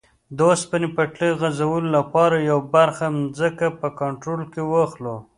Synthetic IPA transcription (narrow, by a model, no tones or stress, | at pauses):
d̪ospanipaʈliɣazawəlolapɑɾajawbaɾxamzəkapəkaɳʈɾolkewəxlo